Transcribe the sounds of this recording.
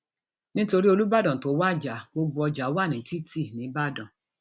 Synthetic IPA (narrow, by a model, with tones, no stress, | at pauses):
nĩ˦to˧ɾi˦o˧lu˦ba˦˨dɔ̃˨to˨˦wa˦˨d͡ʒa˨bo˧ɡ͡bu˦ɔ˧d͡ʒa˨˦wa˦˨nĩ˨˦ti˦ti˦˨nĩ˨˦ba˦˨dɔ̃˨